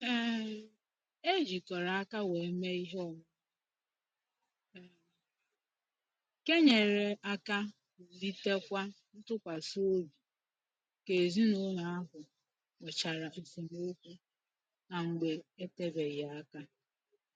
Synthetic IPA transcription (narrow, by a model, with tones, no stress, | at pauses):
e˦d͡ʒi˨kɔ˨ɾa˨a˦ka˦we˨e˦me˦i˦ɦe˦ɔ˨ŋʊ˦˨ | ke˦ɲe˨ɾe˨ʔa˦ka˦˨ | li˦te˦kʷa˦ | n̩˦tʊ˦kʷa˨so˦bu˨ | ke˨zi˦no˦ɲa˨a˦ɦʊ˨ | we˨t͡ʃa˨ɾa˨se˨mo˦kʷu˦ | a˨ŋ͡m̩˨ɡ͡be˨e˦te˦be˨ɣa˨a˦ka˦